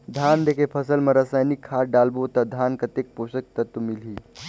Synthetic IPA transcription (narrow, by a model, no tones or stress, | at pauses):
d̪ʱand̪ekʰepʰɐsəlmɐ̃ɾasaːjnikʰːaːɾɖalbot̪ɐd̪ʱankɐt̪ek̚posək̚t̪ɐt̪umilɦiː